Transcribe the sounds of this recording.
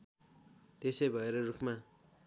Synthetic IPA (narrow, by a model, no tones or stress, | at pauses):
t̪esʌjbʱʌeɾʌrukʰma